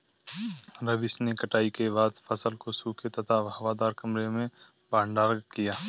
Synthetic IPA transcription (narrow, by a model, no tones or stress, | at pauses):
ɾɐbɪsnekɐʈaːikebaːd̪fʰɐsəlkosuːket̪ɐt̪ʰaɦɐʋaːd̪aːɾkɐmɾemẽ | baːɳɖaːɾkijaː